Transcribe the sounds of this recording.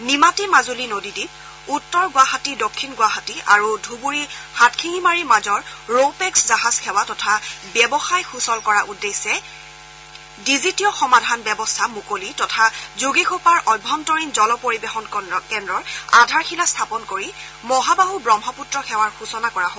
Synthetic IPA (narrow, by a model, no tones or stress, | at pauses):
nimatimazulinodidib̚ | utːɔɹɡwaɦatidokʰːinɡwaɦatia̰ɹudʱubuɹihatkʰiŋimaɹimazɔɹɹopɛkszaɦazkʰɛwatɔtʰabjɛbɔxajxusɔlkɔɹaʔudesːɛ | dizitijɔxɔmadʱanbɛbɔstʰamukolitɔtʰazuɡixopaɹʔɔjbʱːɔntɔɹinzɔlɔpoɹibexɔnkɛndɹɔɹadʱaɹxilastʰapɔnkoɹi | mɔɦabaɦubɹɔmɦɔputɹɔxʰɛwaɹxusɔnakɔɹaɦo